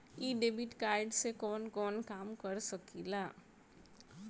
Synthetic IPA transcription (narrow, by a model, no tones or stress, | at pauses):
iːɖeːbiʈkaːɪɖsekɔːnkɔːnkaːmkɐɾsɐkilaː